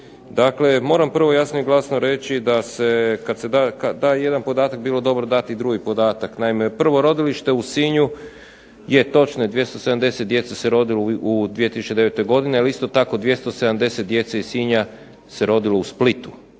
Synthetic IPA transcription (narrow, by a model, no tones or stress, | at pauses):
d̪akle̞mo̞ːɾampr̩ʋo̞jasnoiɡlˠasnoɾet͡ɕid̪ase̞kad̪se̞d̪akad̪aje̞d̪anpo̞d̪aːt̪ak̚biːlo̞d̪o̞bɾod̪at̪id̪ɾuɡipo̞d̪aːt̪aknaime̞pr̩ʋo̞ɾo̞d̪iliʃt̪e̞usiɲu | je̞t̪o̞t͡ʃnoje̞d̪ʋje̞st̪osed̪amd̪e̞tset̪̚d̪je̞t̪seseɾo̞d̪iloud̪ʋije̞t̪isut͡ʃe̞d̪e̞ʋet̪o̞jɡo̞d̪inealist̪o̞t̪ako̞d̪ʋje̞st̪ose̞d̪amd̪e̞set̪̚d̪je̞t̪seisiɲa | se̞ɾo̞d̪ilousplit̪u̥